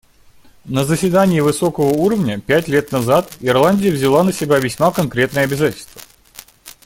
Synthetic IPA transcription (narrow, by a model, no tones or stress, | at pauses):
nəzəsʲvʲɪd̪anʲɪːvɨso̞kəvəuɾəvnʲəpʲæt̬ʲlʲet̪nɐzat̪ɪrlˠanʲdʲɪjəvzʲɪlˠanəsʲɪbʲavʲɪsʲmakɐnkɾʲe̞t̪nəjəɐbʲɪzatʲɪlʲst̪və̥